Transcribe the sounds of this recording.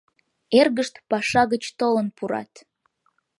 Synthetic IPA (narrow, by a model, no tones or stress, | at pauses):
erɣəʃt̪pɑʃɑɣət͡ɕt̪olənpuɾɑ̰t̪